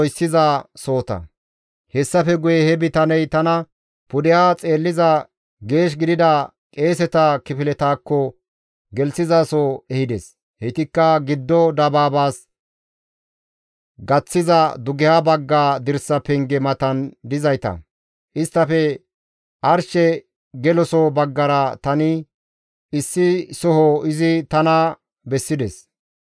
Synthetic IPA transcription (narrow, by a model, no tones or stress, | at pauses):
jsːɪzaːso̞ːt̪ɐ̰ | hɛsːɐfɛɡʊjɛhɛbɪt̪ɐnɛjt̪ɐnɐ | pʊd̪ɪjaːt͡sʼe̞ːlːɪzɐ | ɡe̞ːʃ̬ɡɪd̪ɪd̪ɐ | kʼe̞ːs̬ɛt̪ɐkɪfɪlɛt̪aːkːɔ | ɡɛlsɪzaːsoɛhɪd̪ɛs | hɛt̪ɪkːɐɡɪd̪ːɔd̪ɐbaːbaːs | ɡɐt͡sːɪzɐd̪ʊɡɛhabɐɡːaːd̪ɪɾsːɐpɛŋɡɛmɐt̪ɐnd̪ɪzɐjt̪ɐ̰ | ʔɪst̪ːɐfɛ | ʔɐɾʃɛ | ɡɛlɔsɔbɐɡːɐɾɐt̪ɐnɪ | ɪsːɪsɔɦɔɪzɪt̪ɐnɐ | bɛsːɪd̪ɛs